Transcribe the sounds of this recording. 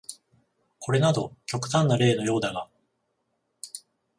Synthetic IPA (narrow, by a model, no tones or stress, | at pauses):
ko̞ɾe̞nad̪o̞kʲo̞kɯ̟̥t̪ãnːaɾe̞ːno̞jo̞ːd̪aɡa